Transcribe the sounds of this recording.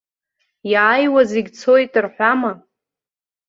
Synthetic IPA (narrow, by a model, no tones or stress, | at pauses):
jaːjwazeɡʲt͡sʰo̞jtʼɨrħʷama